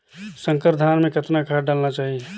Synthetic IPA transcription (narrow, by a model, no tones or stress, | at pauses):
sə̃ŋkəɾd̪ʱaːnmẽkət̪nakʰaɖalnat͡ʃaːɦie